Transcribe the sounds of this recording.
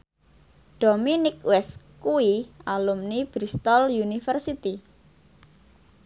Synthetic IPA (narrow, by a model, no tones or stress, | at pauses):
ɖ̥ominɪkwɛskuialumnib̥ɾist̪ɔljunifərsit̪i